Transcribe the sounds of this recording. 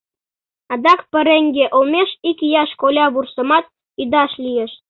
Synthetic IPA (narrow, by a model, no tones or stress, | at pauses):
ɑd̪ɑkpə̆ɾeŋɡʲeʔolmʲeʃikjɑʃkolʲɑβursə̆mɑt̪̚ | id̪ɑʃlʲijeʃ